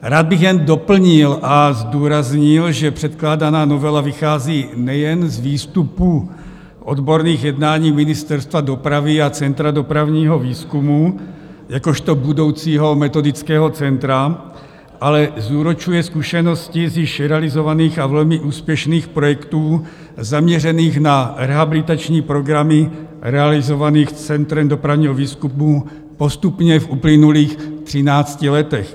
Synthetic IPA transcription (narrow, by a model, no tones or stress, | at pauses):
ɾaːd̪̚biɣjɛnd̪ɔpl̩ɲilʔazd̪ɔːɾazɲilʒɛpr̥ɛt̪klaːd̪anaːnɔʋɛlaʋixaːziːnɛjɛnzʋiːst̪upu | ʔɔd̪bɔɾniːɣjɛd̪naːɲiːminist̪ɛɾst̪ʋad̪ɔpɾaviat͡sɛnt̪ɾad̪ɔpɾaʊɲiːɦɔviːskumujakɔʃt̪ɔbud̪ɔʊt͡siːɦɔmɛt̪ɔd̪it͡skɛːɦɔt͡sɛnt̪ɾa | ʔalɛzuːɾɔt͡ʃujɛskuʃɛnɔsciziʃɾɛalizɔʋaniːɣavɛlmiʔuːspjɛʃniːxpɾɔjɛkt̪uː | zamɲɛɾɛniːɣnaɾɛɦabilit̪at͡ʃɲiːpɾɔɡɾami | ɾɛalizɔʋaniːxt͡sɛnt̪ɾɛmd̪ɔpɾaʊɲiːɦɔʋiːskumu | pɔst̪upɲɛvuplinuliːxt̪r̥inaːt͡scilɛt̪ɛx